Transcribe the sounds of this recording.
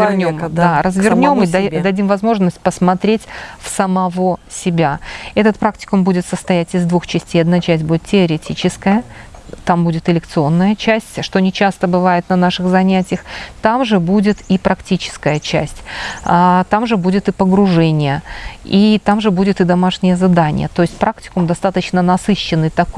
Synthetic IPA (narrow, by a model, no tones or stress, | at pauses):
vɪrnʲomd̪arəzvʲɪrnʲo̞mɨd̪ɐdʲimvɐzmo̞ʐnəsʲt̚ʲpəsmɐt̪ɾʲetʲfsəmɐvo̞sʲɪbʲaɛt̪ət̪̚pɾaktʲɪ̥kʊmbudʲɪt̪səst̪ɐjætʲɪzd̪vuxt͡ɕɪsʲtʲejɐd̪nat͡ɕæsʲtʲbudʲɪt̪tʲɪəɾʲɪtʲit͡ɕɪskəjət̪ambudʲɪt̪ɨlʲɪk̚t̪sɨo̞nːəjət͡ɕæsʲtʲʂt̪o̞nʲɪt͡ɕæst̪əbɨvajɪt̪nɐnaʂɨɣzɐnʲætʲɪjəxt̪amʐɨbudʲɪt̪ipɾɐktʲit͡ɕɪ̥skəjət͡ɕæ̰sʲtʲat̪amʐɨbudʲɪt̪ɨpəɡɾʊʐɛnʲɪjəit̪amʐɨbudʲɪt̪ɨd̪ɐmaʂnʲɪjəzad̪anʲɪ̰jə̰t̪oɪsʲt̚ʲpɾʔaktʲɪ̥kʊmd̪ɐst̪at̪ət͡ɕnənɐsɨɕːɪnːɨt̪ɐk